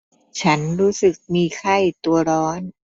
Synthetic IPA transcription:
t͡ɕʰa˦˥nɾuː˦˥sɯ˨˩k̚miː˧kʰa˥˩jt̪u˧ɐɾɔː˦˥n

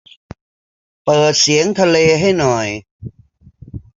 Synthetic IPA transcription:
pɤː˨˩t̪̚si˩˦əŋt̪ʰa˧leː˧ɦa˥˩jnɔ˨˩j

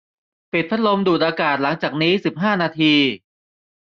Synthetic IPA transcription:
pi˨˩t̪̚pʰa˦˥lo˧mduː˨˩t̪̚ʔaː˧kaː˨˩t̪̚la˩˦ŋt͡ɕaː˨˩k̚niː˦˥si˨˩p̚ɦaː˥˩naː˧t̪ʰiː˧

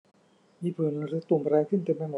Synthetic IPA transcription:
miː˧pʰɯː˨˩˦n˧ɾɯː˧˥t̪u˨˩m˧ɾɛː˧kʰɯ˥˩nt̪e˧ma˧˩mo˨

